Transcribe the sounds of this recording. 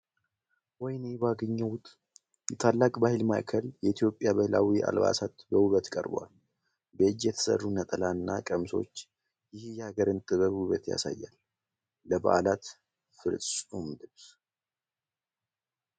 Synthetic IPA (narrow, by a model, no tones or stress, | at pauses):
wɔjnebaɡəɲːəwt̪ʼ | jɛt̪ʰalːakʼbahɪlma̰ʔkʰəljɛit̪ʰjo̞pʼːjaβəhla̰wiʔa̰lba̰sat̪bəuβət̪kʼə̰ɾbwa̰l | bəd͡ʒjɛt̪ʰə̥sə̰rːunət̪ʼəlanːakʼəmso̞̰t͡ʃː | jɪhjɛhaɡəɾɨnt̪ʰɨβəβhuβət̪ja̰sa̰jːalː | əba̰ʔlat̪ | fɨɾʼumd̪ɨβs